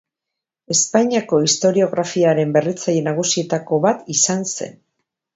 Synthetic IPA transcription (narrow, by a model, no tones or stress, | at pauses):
e̞spaɲiako̞ist̪o̞ɾio̞ɣɾafiaɾe̞mbe̞rit͡saje̞naɣ̞usie̞t̪ako̞βat̪isanse̞̰n